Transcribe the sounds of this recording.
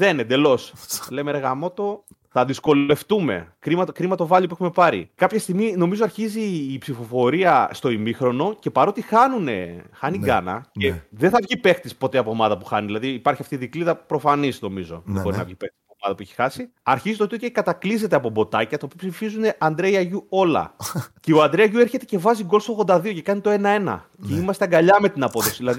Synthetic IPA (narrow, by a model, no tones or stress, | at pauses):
ðenend̪e̞lo̞slejmeɾeɣɐmo̞t̪o̞ | θɐðisko̞le̞ft̪ume̞̰kɾimɐt̪kɾimɐt̪o̞vɐʎipuexume̞pɐɾḭkɐpçɐst̪iɣmino̞mizoɐɾçiziːpsifo̞fo̞ɾiɐst̪o̞imixɾo̞no̞ce̞pɐɾo̞t̪ixɐnune̞̰xɐniɡɐ̰nɐ̰ceðenθɐvʝipe̞xt̪ispo̞t̪eɐpoːmɐðɐpuxɐniðilɐðiːpɐɾçiɐft̪iðikliðɐpɾo̞fɐnisno̞mizo̞̰ðebo̞ɾinɐ̰vʝipext̪isspomɐðɐpueçi̥xɐsi | ɐɾçizit̪ot̪ioekɐt̪ɐklize̞t̪eɐpo̞bo̞t̪ɐcɐt̪opipsifizune̞ʔɐnd̪ɾe̞iɐʝuo̞lɐ̰ceoɐnd̪ɾeɐʝue̞ɾçe̞t̪e̞ce̞vɐziɡolst̪oɣðo̞nd̪ɐðio̞ce̞kɐnit̪o̞e̞nɐe̞nɐ̰ | ceimɐst̪eɐŋɡɐʎɐme̞t̪inɐpo̞ðo̞si̥ðilɐði